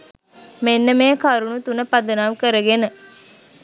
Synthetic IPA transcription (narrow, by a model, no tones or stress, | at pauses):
menːəmeːkaɾunut̪unəpad̪ənamkəɾəɡenə